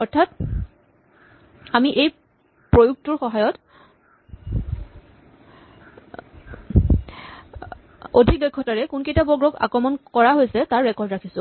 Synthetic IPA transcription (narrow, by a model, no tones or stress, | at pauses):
ɔɹtʰat | amiʔej | pɹojuk̚tuɹxɔɦajɔt | odʱik̚lojkʰːɔtaɹɛkunkejtabɔɡɹɔɡa̰kɹɔmɔnkɔɹaɦojsɛtaɹɹɛkɔɹdɹakʰisʊ̃